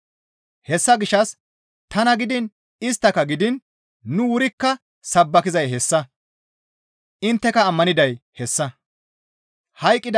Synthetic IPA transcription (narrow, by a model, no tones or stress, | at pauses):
hɛsːɐɡɪʃɐs | t̪ɐnɐɡɪd̪ɪn | ɪs̬t̪ːɐkɐɡɪd̪ɪnː | ʊwʊɾɪkːɐ | sɐbːɐkɪzɐjɦɛsːɐ | ɪnt̪ːɛkɐːmːɐnɪd̪ɐjhɛsːɐ | hɐjkʼːɪd̪